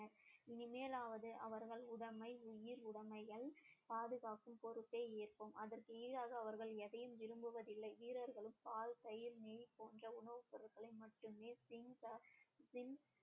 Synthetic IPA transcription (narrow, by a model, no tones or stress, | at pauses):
nɐɾɪnɪmeːlaːʋɐðɯʔɐʋɐɾɣɐɭʊɽɐmɐɪʊjɪɾʊɽɐmɐjɐlpaːðɯɣaːkɯmpɔɾɯt̪ːeːeːrpɯmɐðɐrkɯiːɾaːɣɐːʋɐɾɣɐɭɛðɐjɯmʋɪɾɯmbɯʋɐðɪlːɐɪʋiːɾɐɾɣɐɭɯmpaːlt̪ɐjɪɾneːjpoːndrɐʊɳɐʋɯpɪɾɐɾɣɐɭɐɪmɐʈːɯmeːsɪŋɡɐsɪn